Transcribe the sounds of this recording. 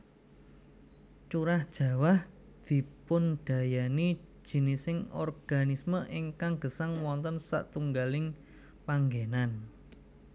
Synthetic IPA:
t͡ʃuɾahd̥ʒ̥ä̤wah | d̪̥i̤pʊnɖ̥a̤jani̥ | ʒ̥i̤nisɪŋɔ̰rɡ̥anisməʔɪŋkaŋɡ̥ə̤saŋwɔnt̪ənsa̰ʔt̪uŋɡalɪŋ | paŋɡenan

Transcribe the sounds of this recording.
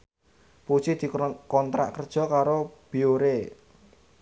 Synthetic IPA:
pu̥t͡ʃid̪̥i̤kɔnt̪ɾa̰ʔkərd̥ʒ̥ɔ̤kaɾob̥i̤oɾe

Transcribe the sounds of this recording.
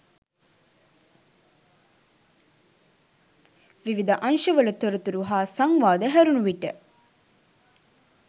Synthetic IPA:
ʋiʋid̪ɐʔɐnʃɐʋɐlɐt̪oɾut̪uɾuɦaːsɐŋʋaːd̪ɐɦɛɾunuʋiʈːḛ

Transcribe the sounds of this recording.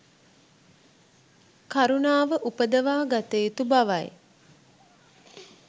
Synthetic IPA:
kaɾunaːʋəʔupəd̪əʋaːɡat̪eːt̪ubaʋa̰j

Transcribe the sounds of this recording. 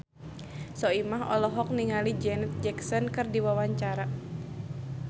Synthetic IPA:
sɔimaɦɔ̰lɔɦɔk̚niŋalid͡ʒɛnɛt̪̚d͡ʒɛksɔnkɨrdiwawaɲt͡ʃaɾa

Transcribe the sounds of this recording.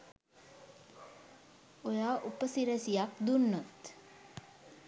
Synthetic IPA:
ojaːʔupəsiɾəsijak̚d̪unːot̪

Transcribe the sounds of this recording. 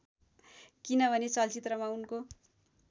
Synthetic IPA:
kinʌbʱʌnet͡sʌlt͡sit̪rʌmaunko

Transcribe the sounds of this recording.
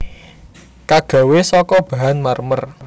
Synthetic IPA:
kaɡ̥a̤wesɔkɔb̥a̤ɦanmarmər

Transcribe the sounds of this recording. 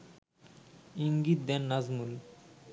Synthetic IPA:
iŋɡit̪̚d̪ɛnːazmul

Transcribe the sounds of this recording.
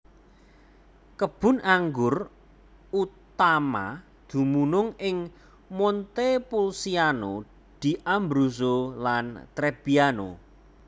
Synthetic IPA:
kəb̥ʊ̤naŋɡʊr | ut̪ama̰ | d̪̥ṳmunʊŋɪŋ | mɔnt̪epulsiano | d̪̥i̤ʔambɾus̬olant̪ɾeb̥iano̰

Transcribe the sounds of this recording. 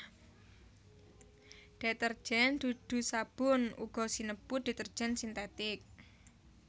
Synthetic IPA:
d̪̥ɛ̤t̪ər̥ʒ̥ɛnd̪̥ud̪̥ṳsab̥ʊnṵɡ̥ɔ̤sinəb̥ud̪̥i̤t̪ər̥d͡ʒ̥ɛnsint̪ɛt̪ɪk̚

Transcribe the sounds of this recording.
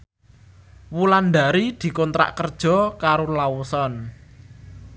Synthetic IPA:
wuland̪a̤ɾid̪̥i̤kɔnt̪ɾa̰ʔkərd̥ʒ̥ɔ̤kaɾolawusɔn

